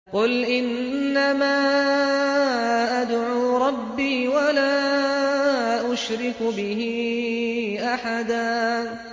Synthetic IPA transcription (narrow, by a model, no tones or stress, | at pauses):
qʊlʔɪnː | amaː | ʔad̪ʕuːɾˤɑbːiːwalaː | ʔʊʃɾɪkbɪɦi | ʔaħad̪aː